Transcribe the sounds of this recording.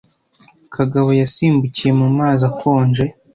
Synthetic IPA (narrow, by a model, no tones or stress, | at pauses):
kʰaɡaβo̞jasiːmbucije̞mumaːzakʰoːnd͡ʒe̞